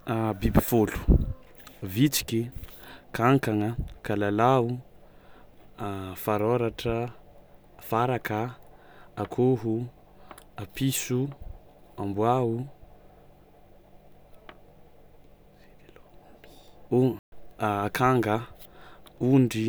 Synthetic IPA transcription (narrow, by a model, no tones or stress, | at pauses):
bibifolu̥ | vit͡si̥kʲikaŋkaŋəkalalau | faɾoɾaʈ͡ʂə | faɾakə | akʰoɦu | apisu | ambwau | kʰaŋɡə | uɳɖ͡ʐi